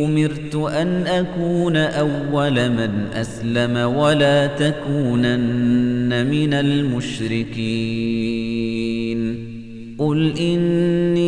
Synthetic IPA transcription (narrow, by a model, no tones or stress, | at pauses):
ʊmɪɾt̪ʊʔanʔakuːnaʔawːalamanʔa̰slamawalaːt̪akuːnanːamɪnalmʊʃɾɪkiː | n | ʔʊlʔɪnːiː